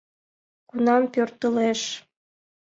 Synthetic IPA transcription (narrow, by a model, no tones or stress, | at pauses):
kunɑmpørt̪əleʃ